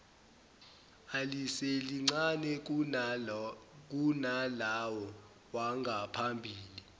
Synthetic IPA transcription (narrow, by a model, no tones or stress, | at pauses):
aliseliŋ͡ǀanɛ | k̬ʼunalawɔ | waŋɡʱapʰambʱiːli